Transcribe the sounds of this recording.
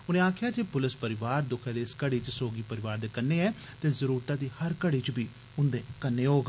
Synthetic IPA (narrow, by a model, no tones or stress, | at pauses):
ʊnẽːaːkʰɪjaːd͡ʒeːpʊlɪspəɾɪʋaːɾd̪ʊkʰjãːd̪eːɪskəɽiːt͡ʃsoːɡiːpəɾɪʋaːɾd̪eːkənːeːɛː | t̪eːzəɾuːɾt̪aːd̪iːhəɾkəɽiːt͡ʃbiː | ʊnd̪eːkənːeːoːɡ